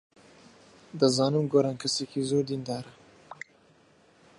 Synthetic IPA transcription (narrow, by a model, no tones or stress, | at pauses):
d̪ɐzɑːnɨmɡoɾɑːnkʰɐsekizoːɾd̪ind̪ɑːɾɐ